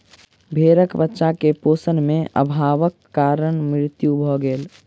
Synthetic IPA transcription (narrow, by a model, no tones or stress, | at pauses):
bʱeːɾəkbətːʃakepoːsənmẽʔə̰bʱaːʋəkːaɾənmɾɪt̪jubʱɔɡeːl